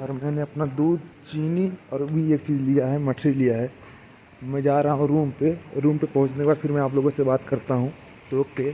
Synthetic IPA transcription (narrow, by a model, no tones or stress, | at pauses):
ɔːɾmɛ̃ːneɐpnad̪uːd̪t͡ʃiːniɔːɾbʱieːk̚t͡ʃiːzlijaɦɛmɐʈʰɾilijaɦɛː | mɛ̃d͡ʒaːɾaɦaɔːɾuːmpeɾuːmpepɐɦʊ̃t͡ʃnekebaːɾfɪɾmɛ̃aːploːɡõsebaːt̪kɐɾt̪aɦũ | t̪oːke